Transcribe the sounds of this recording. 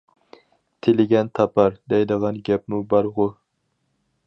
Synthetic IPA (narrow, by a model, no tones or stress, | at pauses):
t̪ʰɪlɪɡʲɛnt̪ʰɑpʰɑɾd̪ɛjd̪ɨʁɑnɡʲɛpmʊbɑɾʁʊɾ